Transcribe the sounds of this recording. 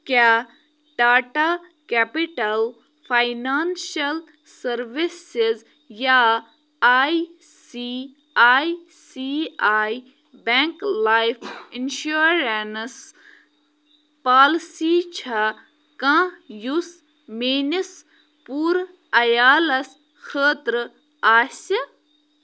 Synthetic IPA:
kja | ɖaːʈa | kɛpiʈɐl | pʰajnaːnʃɐl | sɐɾʋisɪz | jaː | aːj | si | aːj | siaːj | bẽŋklaːjfʰinʃuɾens | paːlsiːt͡ʃʰɐ | kãjus | meːnis | puːɾ | ɐjaːlɐs | xʰəːt̪ɾ | aːsi

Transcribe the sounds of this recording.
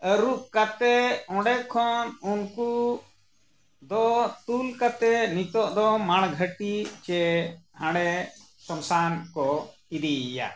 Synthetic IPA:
əɾuʔkat̪ɛɔ̃ɖɛkʰːɔnunku | d̪ɔt̪ulkat̪ɛnit̪ɔʔd̪ɔmaɽ̃ɡʱəʈit͡ʃɛhãɽɛ | sɔmsankɔ | id̪ija̰

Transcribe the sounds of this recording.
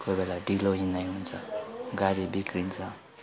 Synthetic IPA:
kobelaɖʱiloɦinajɦunt͡sʰʌɡaɾibikɾint͡sʰʌ

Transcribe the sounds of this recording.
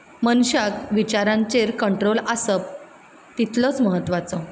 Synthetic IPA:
mənɕakʋit͡ɕaɾãɲt͡seɾkəɳʈɾolasəp̚ | t̪it̪lət͡sməɦət̪ːʋat͡sɔ

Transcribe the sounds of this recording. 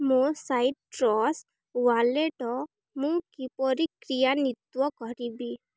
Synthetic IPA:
mũsajʈ̚ʈɾɔs | waleʈɔ | mũkipɔɾikɾijanit̪wɔkɔɾibi

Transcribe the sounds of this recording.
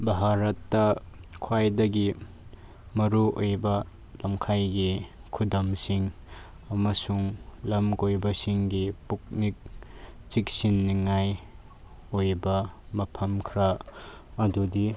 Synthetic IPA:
bɐɦaɾɐtːɐ | kʰwajdɐɡi | mɐɾuojbɐ | lɐmkʰajɡi | kʰudɐmsiŋ | ɐmɐsuŋlɐmɡojbɐsiŋɡipuk̚nik̚ | t͡ʃik̚sinːiŋaj | ojbɐmɐpʰɐmkʰɾa | ɐdudi

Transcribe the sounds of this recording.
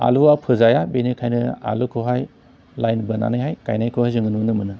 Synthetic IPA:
a̰luapʰɯzajabenekʰajnɯa̰lukʰɯɦaj | lajnbɐna̰nɯjɦajka̰jnajkʰɯhajzɯŋɯnunɯmɯnɯ

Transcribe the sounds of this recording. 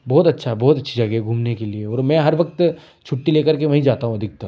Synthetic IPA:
bɔːt̪ɐtːʃʰaɛbɔːt̪ɐtːʃʰed͡ʒɐɡɛɡʱuːmnekelieɔːɾmɛ̃ɦɐɾʋɐk̚t̪ | t͡ʃʰʊʈːileːkɐɾkeʋɐɦĩd͡ʒaːt̪aɦũɐd̪ʱɪk̚t̪a

